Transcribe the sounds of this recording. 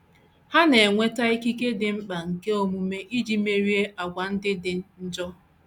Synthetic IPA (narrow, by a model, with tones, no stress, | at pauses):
ha˦ne˨ŋʷe˦ta˦i˦ki˦ke˦dɪ˨m̩˦k͡pa˨ŋ̩˨ke˦o˦mu˨me˦ʔi˦d͡ʒi˦me˦ɾi˦e˦ʔa˨ɡʷa˨n̩˦dɪ˦dɪ˨n̩˦d͡ʒɔ˦